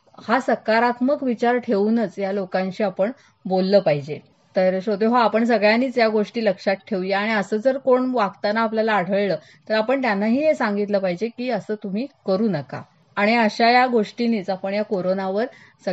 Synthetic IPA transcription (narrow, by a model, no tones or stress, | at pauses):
hasəkaɾat̪məkʋit͡ɕaɾʈʰeʋnət͡sjalokãɲt͡ɕiːapəɳ | bolːəːpaɦid͡ʑe | t̪əɾəɕod̪eɦaapəɳsəɡɭjaniːt͡sjaɡoʂʈiːləkʂat̪ʈʰeʋjeaɽ̃iəsəːd͡zəɾkoɳʋaɡt̪anaːpljalaːɽ̤ʱəɭləː | t̪əɾapəɳt̪janːaɦiːɦesãŋɡit̪ləːpaɦid͡ʑekiːəsəːt̪um̤iːkəɾuːnəka̰ | aɽ̃iəɕajaɡoʂʈiniːt͡sapəɳjakoɾonaʋəɾ | sə